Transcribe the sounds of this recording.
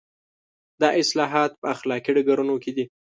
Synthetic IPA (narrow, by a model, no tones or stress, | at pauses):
d̪ɑʔɪslɑɦɑt̪̚pəaxlɑkiɖaɡaɾunoked̪i